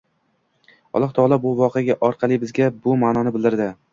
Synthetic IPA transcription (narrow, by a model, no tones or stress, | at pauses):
ɒ̰lˠɒht̪ʰɒlˠabʊvɒqʰejaɡʲaʔɒɾqʰɑlˠɪbɪzɡʲabʊmaːnɒnɪbɪlˠd̪ɪɾd̪ɪ